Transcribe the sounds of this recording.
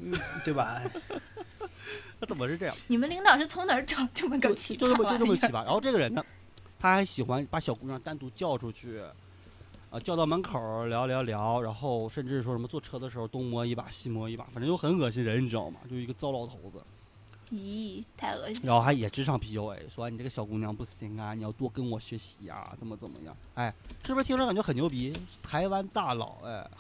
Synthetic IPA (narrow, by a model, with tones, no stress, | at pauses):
t̪we˥˩ɪbɐ˨˩ | t̪ʰa˥˩t͡sə˨˩mə˦ʂɻ̩˥˧ʈ͡ʂɤ˥˧jɑ̰˥˩ŋni˨˩mə˦nli˧˥ŋt̪ɑ˨˩ʊʂɻ̩˥˩t͡sʰʊ˧˥ŋnə˞˨˧˥ʈ͡ʂɑ˨˩˦ʈ͡ʂə˥˩mə˧kə˧˥˧t͡ɕʈ͡ʂo˥˧ʊʈ͡ʂə˧˥˧t͡ɕi˧˥a˧ɻa˧˥n˥xʈ͡ʂɤ˥˩ɡə˩ɻə˧˥nnə˧ | t̪ʰa˥xa˧˥ɪɕi˨˩xwa˧˥npa˧˥ɕjɑ˨˩ʊku˥ɑ˥˧ŋt̪a˥nt̪u˧˥t͡ɕjɑ˥˩ʊʈ͡ʂʰu˧˥t͡ɕʰy˥˩ | ə̰˧t͡ɕjɑ˥˧ʊt̪ɑ˥˩ʊma˧˥nkʰə˨˩˦ljɑ˧˥ʊljɑ˧˥ʊljɑ˧˥ʊɻa˧˥nxo˥˧ʊʂə˥˧nʈ͡ʂɻ̩˥˩˧ʂwɔ˥ʂə˧˥mə˧t͡swɔ˥˧˩ʈ͡ʂʰɤ˥˩d̪ə˨ʂɻ̩˧˥xo˧ʊt̪ʊ˥ŋmwɔ˧˥i˧˥ba̰˨˩ɕi˥mwɔ˧˥i˧˥˩ba̰˧˩fnʈ͡ʂə˧˥jo˥ʊxə˧˥nxɤ˨˩ɕ̬i˥nɻə˧˥ni˨˩ɻ̩˧˥˩o̰˥˧˩ʊmɐ̰˨˩t͡ɕjo˥˧ʊʂ̩ɻɡə˧t͡sɑ˥ʊlɑ˧˥ʊt̪ʰo˧˥ʊd͡zə̰˧ | i˧˥t̪ʰa̰˥˩˧ɻnxo˥˩xa˧˥˧jɛ˨˩ʈ͡ʂɻ̩˥ʈ͡ʂʰɑ˥˩ŋpʰi˧˥o˧˥ʊḛ˧˩ɪswɔ˧˥˧ni˨˩ʈ͡ʂɡə˧ɕjɑ˨˩ʊku˧˥njɑ˧˥ŋpu˥˩ɕi˧˥ŋɐ˧ni˨˩jɑ˥˧ʊt̪wɔ˥˩kə˥nwɔ˨˩ɕɥɛ˧˥ɕi˧˥a̰˧˩t͡sə˨˩mə˦t͡sə˨˩nmə̰˦jɑ̰˥˩ŋa˥˩ɪʂɻ̩˥˩˧t̪ʰknt͡ɕɥɛ˧˥xə˨˩njo˧˥ʊp̬i˧˥t̪ʰa˧˥ɪwa˥nt̪a˥˩lɑ̰˨˩˦ʊɛ̰˧˩